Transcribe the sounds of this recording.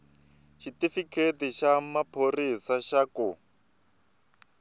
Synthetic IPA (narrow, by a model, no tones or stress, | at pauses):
ʃitifikʰetiʃamapʰorisaʃaku